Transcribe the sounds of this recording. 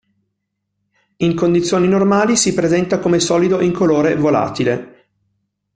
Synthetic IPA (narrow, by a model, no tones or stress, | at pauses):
iŋkond̪it̪sːjoːninormaːlisipɾezɛnt̪akomesɔːlid̪oʔiŋkoloːɾevola̰ːt̪ile